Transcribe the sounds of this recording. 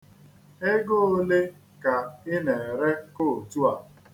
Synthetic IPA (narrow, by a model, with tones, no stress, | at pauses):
e˦ɡo˦o˦le˦ | ka˨ɪ˦ne˨ɾe˦ko˦˨tu˦a˨